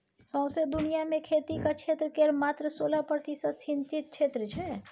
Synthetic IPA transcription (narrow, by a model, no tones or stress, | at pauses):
sə̃ʊ̃sed̪unijamẽkʰet̪ikat͡ʃʰet̪ɾəkeɾmat̪ɾəsolapɾət̪isət̪sint͡ʃit̪̚t͡ʃʰet̪ɾət͡ʃʰɛ